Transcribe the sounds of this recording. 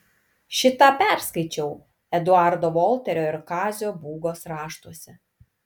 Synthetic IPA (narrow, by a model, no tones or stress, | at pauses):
ʃʲɪt̪ɑːpʲæˑɾskɐɪt͡ʃʲɛʊ | ɛd̪ʊɑɾd̪oːʋɔlʲˠt̪ʲɛɾʲoːɪɾkɑːzʲoːbuːɡoːsɾɑːʃt̪uɔsʲɛ